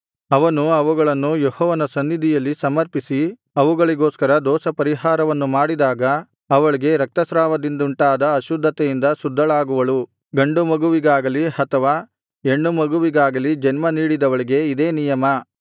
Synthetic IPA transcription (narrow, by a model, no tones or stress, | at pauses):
ɐʋɐnuɐʋuɡɐɭɐnːujehɔːʋɐnɐsɐnːid̪ʱijɐlːisɐmɐɾpisi | ɐʋuɡɐɭiɡoːskɐɾɐd̪ɔːsɐpɐɾiɦaːɾɐʋɐnːumaːɽid̪aːɡɐː | ʋɐɭiɡe̞ɾɐk̚t̪ɐsɾaːʋɐd̪ind̪uɳʈaːd̪ɐɐʃud̪ʱːɐt̪ɛjind̪ɐsud̪ʱːɐɭaːɡuʋɐɭu | ɡɐɳɖumɐɡuʋiɡaːɡɐlihɐt̪ɐʋaː | e̞ɳːumɐɡuʋiɡaːɡɐlid͡ʒɐnmɐniːɽid̪ɐʋɐɭiɡe̞id̪eːnijɐmɐ